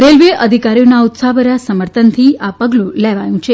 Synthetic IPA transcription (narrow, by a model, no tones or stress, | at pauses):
ɾelʋeʔəd̪ʱikaɾijonaut̪sabəɾasəməɾt̪ʰənt̪ʰiapəɡlũleʋajũt͡ʃʰe